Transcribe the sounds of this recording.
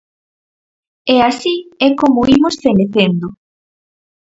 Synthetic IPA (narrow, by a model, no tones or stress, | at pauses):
easiɛkomoimosfeneθend̪ʊ